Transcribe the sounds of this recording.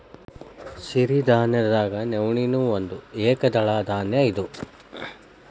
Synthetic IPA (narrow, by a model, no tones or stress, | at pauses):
siɾid̪ʱaːnjɐɾd̪aːɡɐnewɳinuːond̪ueːkɐd̪ɐɭaːd̪ʱaːnjɐid̪u